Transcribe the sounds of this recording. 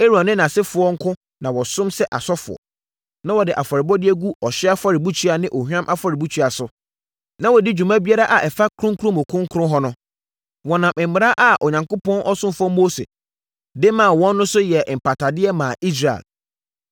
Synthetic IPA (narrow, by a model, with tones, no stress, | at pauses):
e˦ɾõ˨nːɪ̃˦nã˨sɪ˦fʊ˨ɔ˦ŋ̩˦kʰʊ̃˦ | nã˨wɔ˨sʊ̃˦msɛ˦ʔa̰˨sɔ˦fʊ̰˨ɔ̰˨ | nã˦wɔ˨dɪ˨ʔa˨fɔ˨ɾɪ˨bɔ˦dɪ˦ɛ˦ɡu˦ɔ˨ɕɪ˦a˦fa˦ɾɪ˨bu˦t͡ɕʰɥa˨nɪ̃˦ʔo˨hᶣã˦mʔa˦fa˦ɾɪ˨bu˦t͡ɕʰi˦a˨sʊ˦ | nã˦wɔ˨di˦d͡ʑᶣu˨mã˦bi˦a˦ɾa˦ʔa˨ʔɛ˨fa˦kʰʊ˦ɾʊ̃˦ŋkʰʊ˦ɾʊ̃˦mʊ̃˨kʰʊ̃˦ŋ˦kʰʊ˦ʊ̃˦ɦɔ˦nʊ̃˦ | wɔ˨nã˨mʔɪ̃˨m̩ː˦ɪ̃˨ɾa˦ʔa˨ʔɔ˨ɲã˨ŋkʊ˦pʰɔ̃˦nʔɔ˦sʊ̃˦mfɔ˦mo˦sḛ˨ | dɪ˦mã˨wɔ̃˦nː˦ʊ̃˦sʊ˦jɛ˨m̩˨pʰa˨tʰa˨dɪ˦ɛ˦mãː˨ʔi˦s̬ɾa̰˨l